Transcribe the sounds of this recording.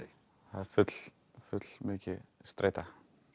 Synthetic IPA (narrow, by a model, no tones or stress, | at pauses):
haɾfʏt̪l̥ | fʏt̪l̥mʏːcɪst̪ɾʔḛjt̪a